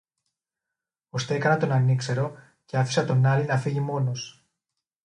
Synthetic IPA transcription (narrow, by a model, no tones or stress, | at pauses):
o̞st̪eekɐnɐt̪o̞nɐnikse̞ɾo̞ | ceɐfi̥sɐt̪o̞nɐlinɐfiʝimo̞no̞s